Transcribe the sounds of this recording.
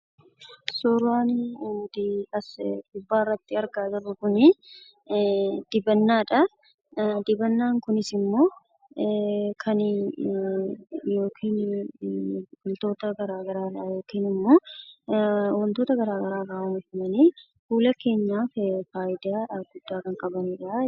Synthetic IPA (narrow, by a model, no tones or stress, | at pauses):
sɔɾaːnd̪ɐsɡʊbːaːrːɐt̪ːɪɐɾɡaːt̪ɐbʊkʊnɪ | d̪̥ɪbɐnːaːᶑɐ | d̪ɪbɐnːaːŋkʊnɪsɪmːo̞ː | kʰɐn | jo̞ːkʰiːn | ɡʊlt̪o̞ːt̪ɐɡɐɾaːɡɐɾaːlajo̞ːkiːnɪmːo̞ː | wɐnt̪oːt̪ɐɡɐɾaːɡɐɾaːkaːɐnɪfɪmɐniː | fuːlɐke̞ːɲːaːffaːjɪd̪aːɐɡʊd̪̥ːaːkɐŋkʼɐbɐniːᶑɐ